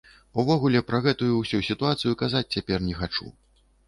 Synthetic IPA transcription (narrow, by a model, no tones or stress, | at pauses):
uvɔɣulʲɛpɾɐɣɛt̪ujusʲusʲit̪uat̪sɨjukazat͡sʲt͡sʲapʲɛrnʲɛxat͡ʂṵ